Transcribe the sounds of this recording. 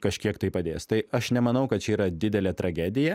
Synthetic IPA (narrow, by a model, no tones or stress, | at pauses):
kɐʃʲkʲiɛkt̪ɐɪpɐd̪ʲḛːst̪ɐɪɐʃnʲɛmɐnɐʊkɐt̪̚t͡ʃʲɛiːɾɐd̪ʲɪd̪ʲɛlʲɛːt̪ɾɐɡʲæːd̪ʲɪjɛ